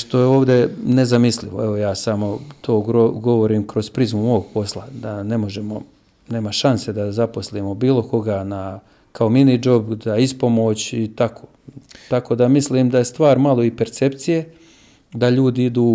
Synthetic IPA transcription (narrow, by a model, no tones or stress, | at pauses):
ʃt̪o̞jeo̞ːʋd̪e̞ne̞zamisliʋoe̞ʋojaːsamo̞t̪ʰo̞ːoɡo̞ʋo̞ɾiːmkɾo̞zpɾizmumooɡ̚po̞slˠad̪ane̞mo̞ʒe̞mo̞ | ne̞ːmaʃanse̞d̪azaposliːmo̞biːlˠo̞ko̞ɡaːna | kao̞minid͡ʒo̞bd̪aispo̞mo̞ːt͡ɕit̪akʰo̞̥ːt̪akoːd̪amisliːmd̪aje̞st̪ʋaːɾmalˠo̞ipe̞ɾt̪se̞pt̪sije̞ | d̪aʎuːd̪iid̪uː